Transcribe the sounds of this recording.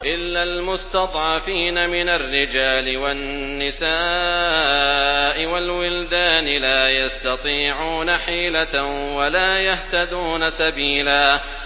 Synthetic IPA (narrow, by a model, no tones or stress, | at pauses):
ʔɪlːalmʊst̪ɑt̪ˤʕɑfiːnamɪnarːɪd͡ʒaːlɪwanː | ɪsaː | ʔɪwalwɪld̪aːnɪlaːjast̪ɑt̪ˤiːʕuːnaħiːlawalaːjaht̪ad̪uːnasabiːlaː